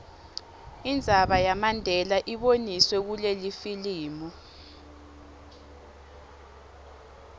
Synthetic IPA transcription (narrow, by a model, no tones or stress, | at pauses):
ind͡zʱaɓajamandʱɛlaʔiɓoniswɛk̬ulelifiliːmɔ